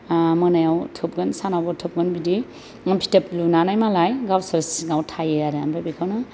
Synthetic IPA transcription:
mɯnajawtʰɯp̚ɡɯnsanawbawtʰɯp̚ɡɯnbidi | ŋpʰi̥təplunanajmalajɡawsaɾsiŋawtʰajejaɾeanbajbikʰawna

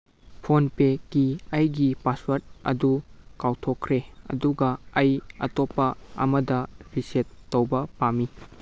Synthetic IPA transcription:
pʰonpekiɐjɡipaswɐɾt̚ɐ̰dukawtʰokʰːɾeɐ̰duɡɐɐjɐ̰topːɐɐ̰mɐdɐɾisetːowbɐpami

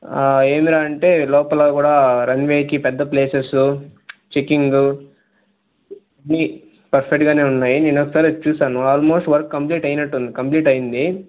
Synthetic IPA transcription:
e̞ːmiɾaːɐɳʈe̞ːlɔːpɐloːkuːɽaːɾɐnʋeːkipɛd̪ːɐpleːsesut͡ʃikːiŋɡ | ɐnːi | pɐɾpʰek̚ʈɡaːne̞ːunːaːjineːnɔkːɐsaːɾit͡ʃuːsaːnuaːlmo̞ːsʈʋɐɾkːɐmpliːʈɐjnɐʈːund̪ikɐmpliːʈɐjind̪i

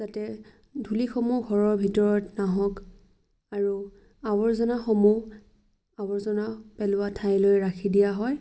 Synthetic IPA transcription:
z̥atɛ | dʱulixomuɡʱɔɹɔɹbʱitɔɹɔtnaɦɔ̃k | aɹu | abɔɹzɔnaxɔmu | abɔɹzɔnapɛlʊwatʰajlojɹakʰidijaɦɔj

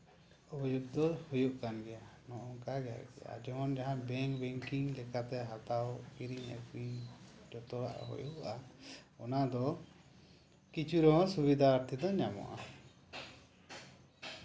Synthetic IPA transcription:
ubɔjuɡ̚d̪ɔhujuʔkanɡɛjanɔʔɔŋkaɡɛja̰ɡɛ̰ja̰d͡ʒɔɦɔnd͡ʒaɦãbɛŋkbɛŋkiŋlɛkat̪ɛɦat̪awkiɾiŋɛ̰kɾiŋd͡ʒɔt̪ɔɾa̰ʔɦṵjuʔaɔnad̪ɔ | kit͡ʃuɾɔɦɔ̃subid̪ʱaːɾt̪ʰid̪ɔɲamɔ̰ʔa̰

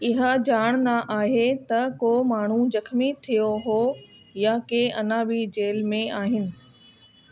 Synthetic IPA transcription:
ɪɦad͡ʑaːɽ̃naʔaːɦet̪ɐkoːmaːɳ̤ud͡ʑɐkʰmit̪ʰijoɦoː | jakeʔɐnãbid͡ʑeːlmẽaːɦɪnɪ̆

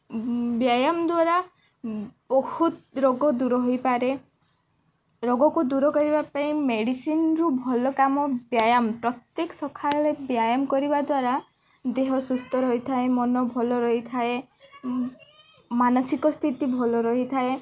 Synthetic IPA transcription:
bjajamd̪waɾa | bɔhut̪ɾoɡɔd̪uɾɔɦojpaɾe | ɾoɡɔkud̪uɾɔkɔɾibapaĩmeɽisinɾubʱɔlɔkamɔbjajampɾɔt̪jeksɔkʰalɾebjajamkɔɾibad̪waɾa | d̪eɦɔsust̪ɔɾɔɦit̪ʰaemɔnɔbʱɔlɔɾɔɦit̪ʰae | manɔsikɔst̪ʰit̪ibʱɔlɔɾɔɦit̪ʰae

